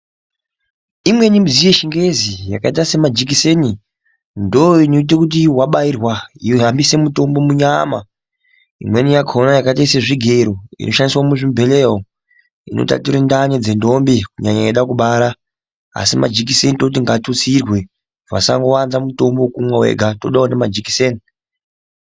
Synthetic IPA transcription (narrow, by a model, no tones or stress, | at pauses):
imwe̞nimizije̞ʃiŋɡe̞zijakaitase̞mad͡ʒik̬ise̞ni | ndooinoit̬e̞kut̬iwaɓairwaioɦambise̞muto̞mbo̞muɲama | ḭmwe̞nijakʰonajakaitaiseʐiɡʱe̞ɾoḭnoʃaniswamuʐimbʱeleo | ḭno̰ta̰tuɾendaɲed͡zendombikuɲaɲaeɗakuɓaɾa | a̰sima̰d͡ʒik̬isenitot̬iŋɡatut͡sirwe̞ | va̰sa̰ŋɡowanzamuto̞mbokumwawḛɡʱato̞ɗaonemad͡ʒiki̥seni